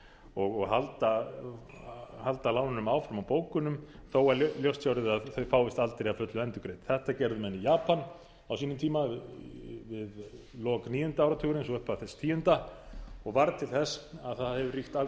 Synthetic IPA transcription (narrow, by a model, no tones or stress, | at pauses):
ɔɣɔɣɦalt̪a | halt̪alaːwnɪnʏmaːwfɾamawpoːwkʏnʏmθowaɾljowst̪jawɾɪðaðθœɥfaːwvɪst̪alt̪ɾeafœt̪lʏɛnt̪ʏkɾejt̪θɛht̪acɛɾðʏmɛnijaːpan | awsiːnʏmt̪ʰiːma | vɪð | lɔːkniːjʏnt̪aawɾat̪ʰʏːɣɾɪnsɔʏhpaðθɛst̪ʰiːjʏnt̪aɔɣvaɾt̪ʰɪlθɛsaðθaðhɛvʏriht̪a